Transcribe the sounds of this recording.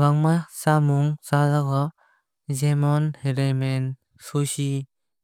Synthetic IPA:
ɡaŋmasamuŋsazaɡa | zemɔnheɾemen | susi

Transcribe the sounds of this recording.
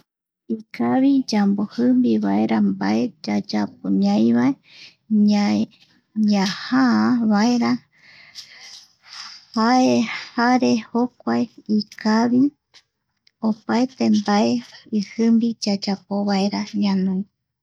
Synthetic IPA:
ikʰaβid͡ʒambohɨmbiβae̞ɾambae̞d͡ʒad͡ʒap̚oɲãjβae | a | ɲahaaβaeɾa | haehaɾe̞hokʷaeikaβi | opaet̪e̞mbaeɨhɨmbid͡ʒad͡ʒapoβaeɾaɲanũj

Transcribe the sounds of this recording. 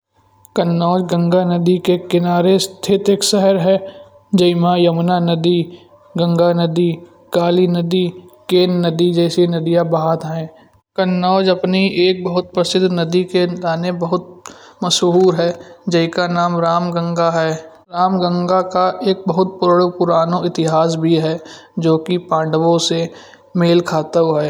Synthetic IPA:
kənːɔːd͡ʒɡə̃ŋɡanəd̪ikekɪnaːɾest̪ʰɪt̪ɪksɛɦəɾɦɛː | d͡ʒɐɪmãjəmnanəd̪i | ɡə̃ŋɡanəd̪i | kaːlinəd̪ikeːnəd̪id͡ʒɛːsinɐd̪ijabaɦaːd̪ɦɛ̃ː | kənːɔːd͡ʒɐpniʔeːk̚bəɦʊt̪̚pɾəsɪd̪ʱnəd̪ikelaːnebəɦʊt̪̚mɐʃɦuːɾɦɛd͡ʒɐɦikanaːmɾaːmɡə̃ŋɡaɦɛ | ɾaːmɡə̃ŋɡakaʔeːk̚bəɦʊt̪̚pʊɾɽpʊɾaːnoɪt̪ɪɦaːs̬bʱiɦɛd͡ʒoːkipãːɳɖəwõse | meːlkʰaːt̪əɦɛː

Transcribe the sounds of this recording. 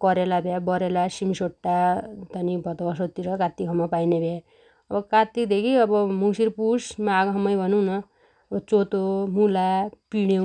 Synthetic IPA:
kʌɾelabʱjabʌɾelasimisoʈːat̪ʌnibʱʌt̪obʌsot̪ːiɾʌkat̪ːikʰʌmːapajnebʱja | ʌbʌkat̪id̪ekʰiʌbʌmusiɾpusmaːɡɦʌmːʌjbʱʌnunʌ | ʌbʌt͡sot̪omulapiɽ̃e

